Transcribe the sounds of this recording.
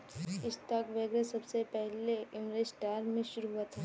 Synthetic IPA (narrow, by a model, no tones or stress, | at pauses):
ɪst̪ɐkʋeːɡɾesɐbsepɛɦleɪmɾesʈaːɾmẽʃʊɾuɦuət̪ɦɛː